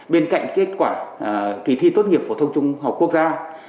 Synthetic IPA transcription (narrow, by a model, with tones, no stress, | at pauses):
ɓe˧nka̰˧˨jŋ̟ke˦˥t̚kwaː˧˩ki˨˧˩t̪ʰi˧t̪o˦˥t̚ŋi˨˩əp̚fo˧˩t̪ʰə˧wŋ͡mt͡ɕʊ˧ŋ͡mha˨˩p̚ku˦˥ək̚zaː˧